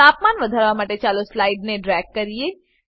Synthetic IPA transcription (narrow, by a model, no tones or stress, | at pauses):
aːpmaːnʋɐd̪ʱaɾʋamaʈet͡ʃaːloslaːɪɖnẽɖɾɛːkːɐɾie